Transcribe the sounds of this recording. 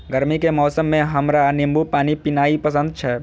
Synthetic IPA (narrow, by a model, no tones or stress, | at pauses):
ɡəɾmikemɔːsəmːẽɦəmɾanɪmbupaːnipɪnaːipəsə̃nd̪̚t͡ʃʰɛ